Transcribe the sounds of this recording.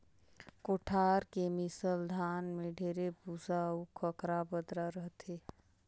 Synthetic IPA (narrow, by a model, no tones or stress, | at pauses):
koʈʰaːɾkemɪsəld̪ʱaːnmẽɖʱeːɾebusaukʰəkɾabəd̪ɾaɾəɦt̪e